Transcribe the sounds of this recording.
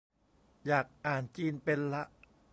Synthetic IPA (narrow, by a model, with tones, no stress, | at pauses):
jaː˨˩k̚ʔaː˨˩nt͡ɕiː˧npe˧nla˦˥ʔ